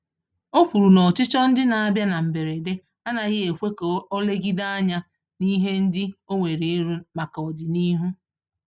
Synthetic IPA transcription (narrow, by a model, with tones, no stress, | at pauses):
o˦pu˨ɾu˨nɔ˨t͡ʃɪ˦t͡ʃɔ˦n̩˦dɪ˦na˨a˦bja˦na˨m̩˨be˨ɾe˨de˦ | a˦na˨ɣɪ˦e˨kʷe˦ko˦le˦ɡi˦da˦a˦ɲa˦ | ni˦ɦe˦n̩˦dɪ˦o˦ŋʷe˨ɾe˨˦ɾu˦ma˨ka˨ɔ˨dɪ˨ni˦ɦu˦